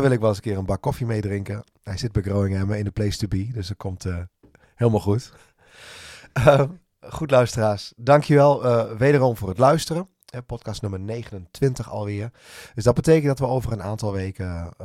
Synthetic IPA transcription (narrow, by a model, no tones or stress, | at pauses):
ʋɪlˠɪkʋɛlˠəsəkɪərənbakɔfimejdrɪŋkə | hɛjsɪt̚bɛjɡroːɪŋɛməɪndəpleːstybidøsət̚kʰomtʰ | heːlˠmalˠxut | χutlœɥstəraːsdɑŋkʰjəʋɛlˠʋeːdərɔmvʊːrətlœɥstərə | hɛpɔtkɑstnømərneːɣənəntʋɪntəxɑ̰lˠʋɪər | d̥øsdɔd̚bəteːkəndɔɑtʋəoːvərənaːntɑlˠʋeːkə